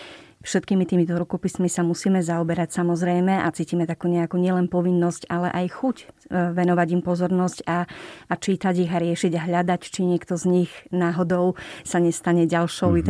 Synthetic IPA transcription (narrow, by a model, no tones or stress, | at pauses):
fʃɛt̪kiːmit̪iːmit̪ɔɾukɔpismisamusiːmɛzaɔbɛɾacsamɔzɾɛjmɛʔat͡siːcimɛt̪akuːɲɛakuːɲɪɛlɛnpɔʋinːɔscalɛ̰ʔajxucʋɛnɔʋaɟimpɔzɔɾnɔscaːt͡ʃiːt̪aɟiɣaɾɪɛʃiɟaɦʎad̪act͡ʃiɲɪɛkt̪ɔzɲixnaːɦɔd̪ɔʊsaɲɛst̪aɲɛɟalʃɔʊ